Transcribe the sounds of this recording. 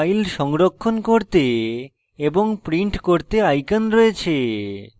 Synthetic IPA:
jlʃɔŋɾokʰːonkoɾt̪e | eboŋpɾiɳʈkoɾt̪eajkanɾoet͡ɕʰe

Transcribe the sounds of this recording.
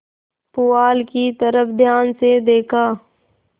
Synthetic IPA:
pʊaːlkit̪əɾəpʰd̪ʱjaːnsed̪eːkʰaː

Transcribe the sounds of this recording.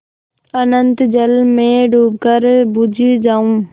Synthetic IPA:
ənənt̪d͡ʒəlmẽɖuːb̚kəɾbud͡ʒʱid͡ʒaːũː

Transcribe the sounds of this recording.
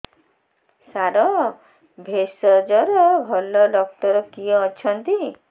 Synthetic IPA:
saɾɔ | bʱesɔd͡ʒɔɾɔbʱɔlɔlɔkʈɔɾɔkiɔːt͡ʃʰɔnt̪i

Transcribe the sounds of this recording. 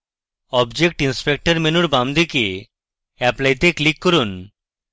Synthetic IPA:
ɔbd͡ʑek̚ʈinspek̚ʈaɾmenuɾbamd̪ike | ɛplajt̪eklikːɔɾun

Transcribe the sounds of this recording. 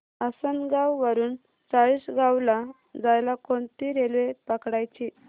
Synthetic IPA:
asənɡawʋəɾuːn | t͡saɭisɡawla | d͡zajlakoɳt̪iɾelʋepəkɽajt͡ɕi

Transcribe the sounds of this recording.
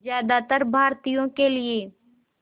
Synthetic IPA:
zjaːd̪at̪əɾbʱaːɾt̪ijõkelie

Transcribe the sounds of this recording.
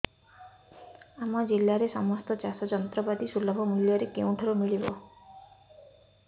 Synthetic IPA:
amɔd͡ʒilːaɾesɔmɔst̪ɔt͡ʃasɔd͡ʒɔnt̪ɾɔbad̪isulɔbʱɔmuljɔɾekeũʈʰɔɾumiɭibɔ

